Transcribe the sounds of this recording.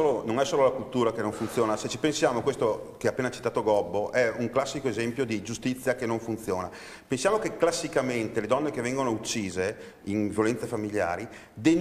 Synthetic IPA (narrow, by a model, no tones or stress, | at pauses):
oːlonoŋɛsoːlolakult̪uːɾakenːoɱfunt̪sjoːnaset͡ʃːipensjaːmokwest̪okeapːeːnat͡ʃit̪aːt̪oɡɔbːoʔɛuŋklasːikoezɛmpjod̪id͡ʒust̪it̪sːjakenːoɱfunt̪sjoːna | pensjaːmokekːlasːikament̪eled̪ɔnːekevːɛŋɡonout͡ʃːiːze | invjolɛnt̪sefamilja̰ːɾi | d̪en